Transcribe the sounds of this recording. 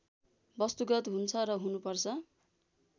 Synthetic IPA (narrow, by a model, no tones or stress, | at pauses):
bʌst̪uɡʌt̪ɦunt͡sʰʌrʌɦunupʌrt͡sʰʌ